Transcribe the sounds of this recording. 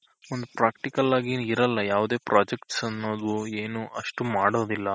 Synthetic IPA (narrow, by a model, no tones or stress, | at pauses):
ond̪upɾaːk̚ʈikɐlaːɡiiɾɐlːɐjaːʋud̪e̞ːpɾʔaːd͡ʒekʈsɐnːo̞ːd̪ueːnuɐʂʈumaːɽo̞ːd̪ilːɐ